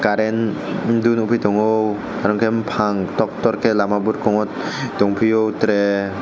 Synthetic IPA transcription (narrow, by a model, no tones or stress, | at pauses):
kaɾɛn | ind̪unubid̪̥ɔ̤ŋow | kaɾɔŋkempʰaŋt̪ɔk̚t̪ɔrkelamabur̚kɔŋɔt̪̚d̪̥ɔŋpʰijowt̪ɾɛ